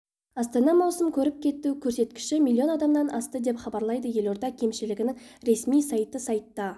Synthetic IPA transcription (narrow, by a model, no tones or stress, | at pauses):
ɑst̪ɑnɑmɑwsəmkʲʰɵɾɪp̚kʲʰe̞t̪ːukʲʰɵɾse̞t̪kʲɪ̥ʃɪmʲilʲˠːio̞nɑd̪ɑmnɑnʔɑst̪əd̪e̞pχɑbɑɾlˠɑjd̪əje̞lo̞ɾd̪ɑkʲʰe̞mʃɪlɪɡʲɪnɪŋ | ɾe̞smijsɑjt̪əsɑjt̪ːɑ